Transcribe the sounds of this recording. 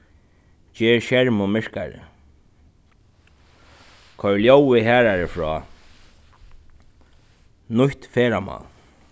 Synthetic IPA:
t͡ɕɛːɹʃɛɹmʊmɪɹka̰ɾɪ̰ | kʰœɹljowɪɦæːɾaɾɪfɹɔː | nʊht̪fɛːɾamɔ̰ːl

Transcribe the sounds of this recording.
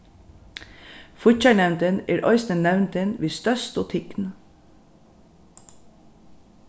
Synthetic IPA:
fʊçæɳɛnt̪əneːɾʔœ̰ʏsnənnɛʋnt̪ənʋiːst̪œst̪ʊːt̪ʰɪkn̩

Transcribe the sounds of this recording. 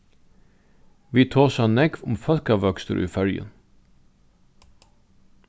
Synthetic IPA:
ʋiːt̪ʰoːsɑnɛɡʋʊmfœlkɑʋœkst̪ə̰ɾʔḭːfœljə̰n

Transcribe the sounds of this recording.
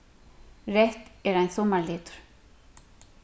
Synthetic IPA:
rɛht̪ɛɾajnθɔmaɾlɪːt̪ʏ̥ɾ̥

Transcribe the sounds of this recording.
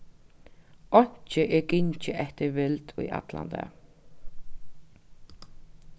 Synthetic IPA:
ɔɲ̥t͡ʃəʔɛkɪɲt͡ʃəʔɛht̪əɾvɪlt̪ʊ̰jʔa̰t̪la̰nd̪a̰

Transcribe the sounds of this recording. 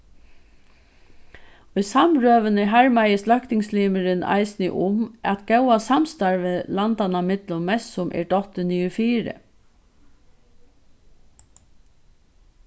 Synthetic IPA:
ʊjsamɾøːʋənɪɦaɹmajəslœhkt̪ɪŋsliːməɾɪna̰ɪjsnɪ̰ʔʊmæt̪ɡɛwasamst̪aɹʋɪlant̪anamɪt̪lʊmːɛssʊmʔɛ̰ɖɔht̪ɪniːʊfiːɾə̰

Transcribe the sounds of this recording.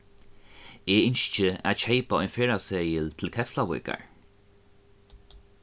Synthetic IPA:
eːɪnʃt͡ʃəa̰t͡ʃʰejpaɔ̰jnfeːɹaseːjɪlt̪ʰɪlkʰɛflawɪ̰ka̰ɹ

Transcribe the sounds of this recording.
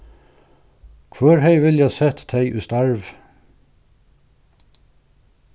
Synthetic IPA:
kʰʋœːɹheɪʋɪljæsɛt̪d̪eɪʔʉːst̪aɹʋ

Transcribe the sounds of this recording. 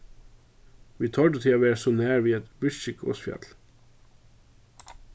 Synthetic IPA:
ʋiːt̪ʰɔɖət̪ʰɪɑːʋæːɹsoːnæːɹʋiːɛt̪ɹɪʃɪkʰo̰ːsfjɑ̰t̪l̩

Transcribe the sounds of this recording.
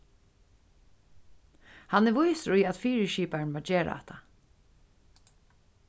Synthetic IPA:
hanɛʋʊjsɾʊjat̪fiːɹəʃiːpaɹɳmɔːd͡ʒeːɾa̰ɛ̰ht̪ʰa

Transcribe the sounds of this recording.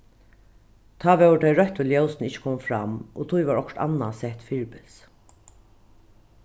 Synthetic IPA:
t̪ʰɑːʋɛwɖɛɪɹœht̪ʊljœwsnɪt͡ʃːə̥kʰɔːmfɾamo̰t̪ʰujʋaɹɔkʈ̪a̰nasɛht̪fɪɹpɪs

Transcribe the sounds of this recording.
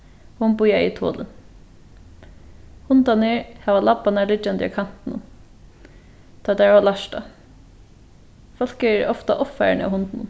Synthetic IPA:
hʊnbʊjait̪ʰo̰ːlən | hʊnt̪anəɹhɛʋalapːanalɪt͡ʃːand̪ɪa̰kʰan̥t̪ɪnʊn | t̪ʰɔːd̪aʋalaʃta̰ | fɔl̥kəɛɹɔft̪a̰ʔɔffa̰ɹɳa̰wɦʊnt̪nʊn

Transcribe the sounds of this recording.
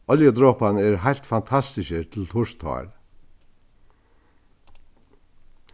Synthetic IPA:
ɔljəd̪ɾɔːpanɛɾɦajlt̪fant̪ʰast̪ɪʃət̪ʰɪlt̪ʰʊʂt̪ʰhɔ̰ːɹ

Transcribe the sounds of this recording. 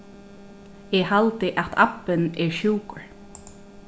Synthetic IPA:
ɛhalt̪ɪʔat̪ʰa̰pːɪnɛɹʃuːkəɹ

